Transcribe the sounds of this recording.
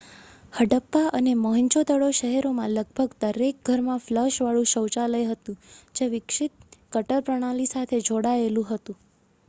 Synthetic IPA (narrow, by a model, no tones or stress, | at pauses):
həɖəpːaʔəneməɦəɲt͡ʃod̪əɭoʃəɦɛɾomãləɡ̚bʱəɡd̪əɾek̚ɡʱəɾmãfləʃʋaɭũʃəwt͡ʃaləjɦət̪ũd͡ʒeʋɪkʃɪt̪̚kəʈəɾpɾəɽ̃alisat̪ʰed͡ʒoɽaelũɦət̪ũ